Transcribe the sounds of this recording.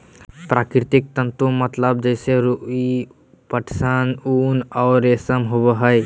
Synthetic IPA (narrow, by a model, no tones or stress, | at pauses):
pɾaːkɾɪt̪ɪk̚t̪ə̃nt̪umɐt̪ləb̚d͡ʒɛːseɾui | pəʈʰsənuːnɔːɾːeːsəmɦʊbəɦəj